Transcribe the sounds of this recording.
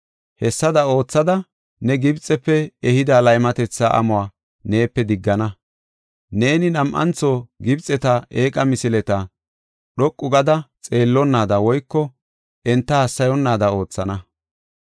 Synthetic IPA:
hɛsːɐd̪ɐo̞ːt͡sːɐd̪ɐ | nɛɡɪbt͡sʼːɛpːɛɛhɪd̪alɐjmɐt̪ɛt͡sːaʔɐ̰mʊaː | ne̞ːpːɛd̪ɪɡːɐnɐ | ne̞ːnɪnɐmʔɐ̰nt͡soːɡɪbt͡sʼɛt̪ɐeːkʼɐmɪsɪlɛt̪ɐ | ɗɔkʼːʊɡɐd̪ɐt͡sʼe̞ːlːɔnːaːd̪ɐwɔjkːɔ | ʔɛnt̪ːɐɐsːɐjɔnːaːd̪ɐo̞ːt͡sːɐnɐ

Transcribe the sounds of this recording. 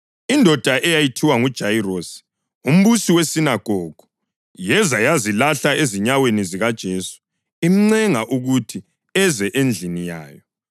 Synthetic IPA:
indʱɔd̥ʱaʔɛjajitʰiwaŋud̥ʒ̥ʱairosi̥ | um̩βusiwesinaɡ̥ʱɔːɡ̥ʱu | jɛzajazilaɬaeziɲaweniziɣad̥ʒ̥ʱeːsu̥ | im̩ŋ͡ǀɛŋaʔuɣutʰi | ɛzɛʔend͡ɮʱinija̰ːjɔ

